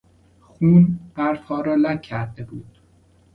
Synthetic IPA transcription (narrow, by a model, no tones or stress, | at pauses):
xuːnb̥æɾfhɒːɾɒːlæcʰæɾd̪ebuːd̪̥